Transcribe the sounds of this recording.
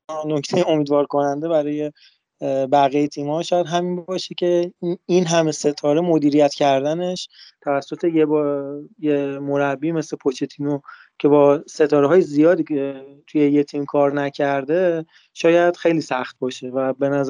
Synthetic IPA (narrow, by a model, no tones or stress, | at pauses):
no̞cʰt̪ʰejeo̞miːd̪vɒːɾko̞nænd̪e̞bæɾɒːje̞ | bæɣejet̪ʰiːmhɒʃɒːjæd̪ɦæminbɒːʃecʰe̞inɦæme̞se̞t̪ʰɒːɾemo̞d̪iːɾijæt̪cʰæɾd̪æne̞ʃt̪ʰævæsːo̞t̪ʰejebjemoɾæbːiːme̞slepʰot͡ʃʰet̪ʰino | cʰe̞bɒːse̞t̪ʰɒːɾeɦɒːjezijɒːd̪iːet̪ʰujejet̪ʰiːmkʰɒːɾnæcʰæɾd̪e̞ | ʃɒːjæd̪̥xe̞jliːsæxt̪̚bɒːʃe̞væbe̞næz